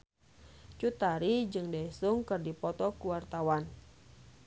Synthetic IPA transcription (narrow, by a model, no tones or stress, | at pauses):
t͡ʃut̪aɾid͡ʒɨŋdajsuŋkɨrdipɔt̪ɔkuwart̪awan